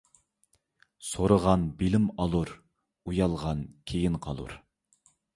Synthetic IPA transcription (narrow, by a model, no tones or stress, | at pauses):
soɾəʁɑnbilɪmɑlˠuɾ | ujɑlˠʁɑnkʲʰejinqʰɑ̰lˠṵɾ